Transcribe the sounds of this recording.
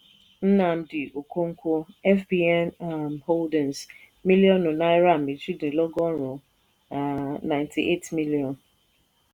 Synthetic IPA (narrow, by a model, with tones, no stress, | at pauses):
n̩˦na˨m̩˦dɪ˨ʔo˨ko˦ŋ̩˦kʷʊ˦ɛ˦fbi˦ɛ˦n˨mho˦ldɪ̃˨ns | mi˦li˦ɔ˦nʊ˨na˦ɪ˦ɾa˦˨m̩˨i˨d͡ʒi˦dɪ˨lɔ˦ɡɔ˦ɾʊ˨ | a˨na˨ɪntʰi˨ʔe˦tmi˦li˨ɔ˨n